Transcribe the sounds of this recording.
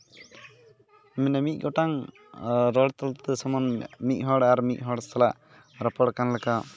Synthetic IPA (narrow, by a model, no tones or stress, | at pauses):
mɛnɛmic̪̚ˀɡɔʈaŋ | ɾɔɽt̪ɔlt̪ɛsɔmɔnmic̚ˀɦɔɽaɾmic̪̚ˀɦɔɽst̪alaʔ | ɾapɔɽkanlɛka